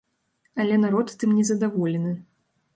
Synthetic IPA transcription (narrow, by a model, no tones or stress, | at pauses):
ɐlʲɛnaɾɔt̪ːɨmnʲɛzɐd̪avɔlʲɛnɨ